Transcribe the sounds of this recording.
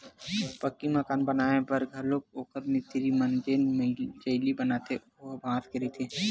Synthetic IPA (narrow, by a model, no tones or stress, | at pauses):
pɐkːimɐkaːnbɐnaːebɐɾɡʱɐɾloːk̚oːkəɾmit̪iɾimɐnd͡ʒeːnmd͡ʒɐɪlibɐnaːt̪ʰe | obʱãːt̪keɾet̪ʰeː